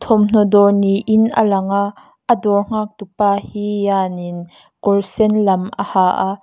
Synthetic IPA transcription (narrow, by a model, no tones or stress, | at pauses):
t̪ʰɔmn̥ɔdɔniʔɪnʔə̰lɐŋaʔ | ədɔŋ̥aːk̚t̪upaːhijaːnɪn | kɔrsɛnlɐmʔɐ̰haːʔaʔ